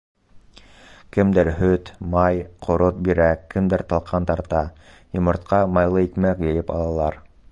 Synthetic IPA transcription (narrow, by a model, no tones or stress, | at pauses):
kɘ̆md̪ɘɾɦɵt̪mɑjqʰŏɾot̪̚biɾækɘ̆md̪ɘɾt̪ɑlˠqʰɑnt̪ɑɾt̪ɑ | jŏmŏɾt̪̚qɑmɑjlˠɤikmækjɤ̆jɘpɑ̰lˠɑlˠɑɾ